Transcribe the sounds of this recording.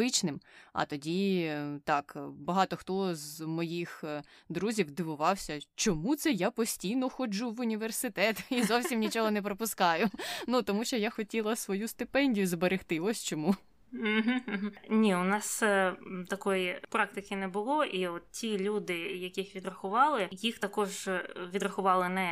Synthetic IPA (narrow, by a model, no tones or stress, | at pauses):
ɪt͡ʃnɪmɐ̰t̪ɔdʲit̪ɑkbɐɦɑt̪ɔxt̪ɔzmɔjixd̪ɾuzʲiwd̪ɪʋʊʋɑwsʲɐt͡ʃɔmut̪sɛjapɔsʲtʲijnɔxɔd͡ʒuʋʊnʲiʋersɪt̪ɛt̪izɔwsʲimnʲit͡ʃɔɦɔnɛp̬ɾɔpʊskɑjʊnut̪ɔmuʃt͡ʃɔjaxɔtʲilˠɐsʋɔjust̪ɪpɛnʲdʲijʊzbeɾext̪ɪɔsʲt͡ʃɔmu | ɦm̩ɦm̩nʲiʊnɑs | t̪ɐkɔjipɾɑk̚t̪ɪkɪnɛbʊlˠɔʔiɔt̪̚tʲilʲud̪ɪjɐkʲɪxʋʲid̪ɾɐxʊʋɑlˠɪjixt̪ɐkɔʒʋʲid̪rɐxʊʋɑlˠɪnɛ